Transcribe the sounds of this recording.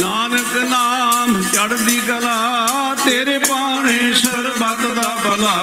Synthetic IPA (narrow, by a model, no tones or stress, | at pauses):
naːnəknaːmt͡ʃɐɽnd̪iːɡɐlaː | t̪eːɾepaːɳẽʃɐɾbat̪d̪aːbɐlaː